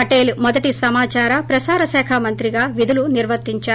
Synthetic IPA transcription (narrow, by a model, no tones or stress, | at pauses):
ɐʈe̞ːlumɔd̪ɐʈisɐmaːt͡ʃaːɾɐpɾɐsaːɾɐsɛːkʰɐmɐnt̪ɾiɡaːʋid̪uluniɾʋɐt̪ːiɲt͡ʃaː